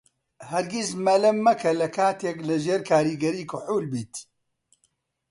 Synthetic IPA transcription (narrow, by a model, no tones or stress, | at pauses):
hɐɾɡismɐlɐmːɐkʰɐlɐkʰaːt̪eklɨʒeːɾkʰaːɾiːɡɐɾiːkʰʊħuːlbiːt̪